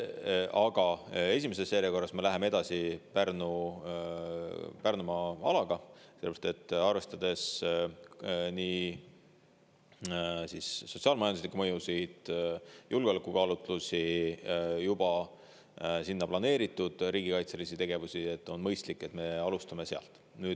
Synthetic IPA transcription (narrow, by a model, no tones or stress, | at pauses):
ɑɡ̥ɑe̞s̬ʲimes̬esːeːɾeko̞rːɑsmelæɦe̞mee̞d̪ɑsipærnu | pærnumɑɑ̰lɑɡ̥ɑselepɾɑst̪e̞t̪ˑːɑrve̞st̪ɑd̪̥e̞s | niː | sisːo̞tsiɑːlmɑjɑnd̪uslikːumɤjusid̪̥julɡeolekukɑːlut̪ˑlusi | jub̥ɑ | sinːɑplɑne̞ːɾit̪ːˑud̪̥ɾiːɡikɑjt̪se̞lisit̪e̞ɡ̥e̞vusiet̪ːo̞nmɤjst̪likːˑe̞t̪me̞ɑlust̪ɑme̞seɑ̰lt̪ːˑ | nyːd̥̪